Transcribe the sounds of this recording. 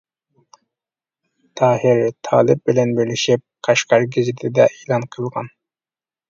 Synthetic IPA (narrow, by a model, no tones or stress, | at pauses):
t̪ʰɑːhɪɾt̪ʰɑːlˠɪp̚bɪlɛnbɪɾlɪʃip̚qʰɑʃqɑɾɡʲizɪt̪ʰɪd̪ɛʔeːlˠɑnqʰəlˠʁɑ̰n